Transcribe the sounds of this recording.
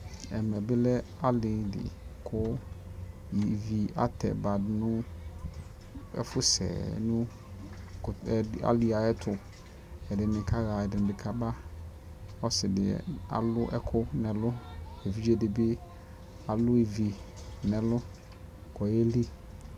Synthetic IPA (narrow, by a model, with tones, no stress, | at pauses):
ɛ̰˨mɛ˨bɪ˦lɛ˦ | a˦lɪ˨dɪ̰˨kʰʊ˦ | i˨vi˨a̰˦tʰɛ̰˨ba˨dɪ˦nʊ̃˦ | ɛ̰˦fʊ˦sɛ̰ː˨˦nʊ̃˦˨ | a̰˦lɪ˨a˨ɛ˦tʰʊ˨ | ɛ˨dɪ˨nɪ̃˨kʰa˦ɣa˨ɛ˨dɪ˨nʊ̃˨bɪ˨kʰa˦ba˦ | ɔ˦sɪ˨dɪ̰˨a̰˨lʊ˦ʔɛ˨kʰʊ˦nɛ̃˨lʊ˦ɛ˨vi˦d͡ʒɛ˦dɪ˨bɪ˦ | a˨lʊ˦e˨vi˨ | nɛ̃˨lʊ˦ | kʰɔ˨jɛ˦li˦